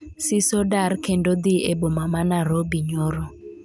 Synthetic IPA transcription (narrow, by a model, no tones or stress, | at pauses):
sisɔdaɾkʰɛndɔd̪iɛbɔmamanaɾobiɲɔɾɔ